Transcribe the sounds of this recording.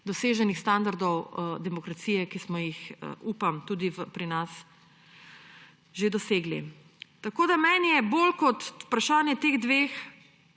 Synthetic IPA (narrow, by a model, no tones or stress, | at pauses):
d̪ɔseːʒɛnixst̪and̪aɾd̪ɔwd̪ɛmɔkɾat̪siːjɛkismɔjixə̰ʔuːpamt̪uːd̪ipɾinas | ʒed̪ɔseːɡlḭ | t̪akoːd̪amɛnjɛbolkɔt̪u̥pɾaʃaːnjɛt̪eːɣd̪ʋeːx